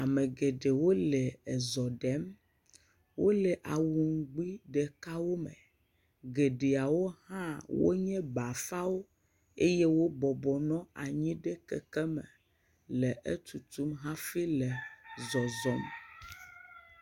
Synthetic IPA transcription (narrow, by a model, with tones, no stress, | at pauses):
a˨me˨ɡe˨ɖe˨wo˦lɛ˨ɛ˨zɔ˨ɖɛ˦m | wo˦lɛ˨ʔa˨wu˨ŋ˦ɡ͡bi˦ɖɛ˨ka˦wo˦mɛ̰̃˨ | ɡe˨ɖe˨a˨wo˦hã˦wo̰˦ɲɛ̃˦ba˨fa˦wo˦ | e˦jɛ˦wo˦bɔ˨bɔ˨nɔ̃˦a̰˨ɲĩ˦ɖɛ˦kɛ̰˨kɛ˦mɛ̰˨ | lɛ˨ʔe˦t̪u˨t̪u˦mɦã˦fi˦lɛ˨zɔ˨zɔ˨˦m˨